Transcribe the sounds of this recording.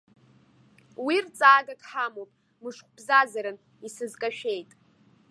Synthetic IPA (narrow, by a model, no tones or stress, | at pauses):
wirt͡sʼaːɡakʼħamowpʼ | mɨʂqʷʰʼb̥zazaɾɨn | isɨzkʼaʃᶣe̞jtʼ